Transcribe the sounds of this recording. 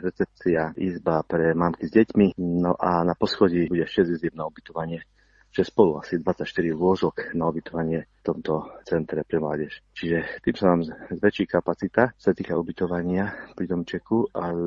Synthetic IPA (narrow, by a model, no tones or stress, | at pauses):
ɾɛt͡sɛp̚t͡siaʔizbapɾɛmaːmkizɟɛcminɔ̰ʔanapɔsxɔɟibuɟɛʃɛzizɛmnaubit̪ɔʋaɲɪɛ | t͡ʃɛspɔluasid̪ʋat͡sacʃt̪iɾilʊɔʒɔknaubit̪ɔʋaɲɪɛft̪ɔmt̪ɔt͡sɛnt̪ɾɛpɾɛmla̰ːɟɛʃt͡ʃiʒɛt̪iːmsanaːmzʋɛt͡ʃikapat͡sit̪ḁsat̪iːkaubit̪ɔʋaɲɪapɾid̪ɔmt͡ʃɛkuʔa